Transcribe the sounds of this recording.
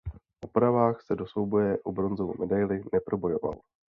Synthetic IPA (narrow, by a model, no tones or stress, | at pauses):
ʔopɾavaːxsɛdo̞svowbojɛʔubɾo̞nzovo̰mɛdajlɪnɛpɾo̞bo̞jo̞va̰l